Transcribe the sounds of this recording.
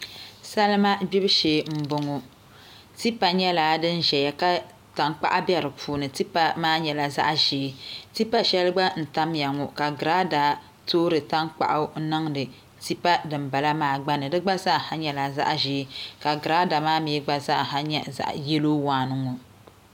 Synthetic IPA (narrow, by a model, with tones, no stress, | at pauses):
sa˦lɨ˦ma˦bi˦bʃeː˨m̩˦bʊ˨ŋɔ˨ | ti˦pa˨ɲɛ˦laː˨˦dɨ˦nʒɛ˨ja˨ka˦ | ta˨ŋk͡pa̰˦ʔa˦bjɛ˦ɾɨ˨pʰuː˨nɨ˨ti˦pa˨maː˦ɲɛ˨la˨za̰˦ʔʒeː˨˦ti˦pa˦ʃɛ˦lɨ˦ɡ͡ba˦n̩˨ta˦mja˨ŋɔ˨ka˨ɡɾa˦da˨ | toː˦ɾɨ˨ta˦ŋk͡pa̰˨ʔa˦nɨ˦ŋdɨ˨ | ti˦pa˦dɨ˨mba˨la˦maː˦˨ɡ͡ba˦nɨ˨dɨ˦ɡ͡ba˦za˦˨ha˦ɲɛ˨la˨za̰˦ʔʒeː˨˦ka˨ɡɨ˨ɾa˦da˨maː˦mi˨˦ɡ͡ba˦za˦ʔɦa˦ɲɛ˦za̰˨ʔjɛ˦loː˦waː˨nɨ˦ŋo˨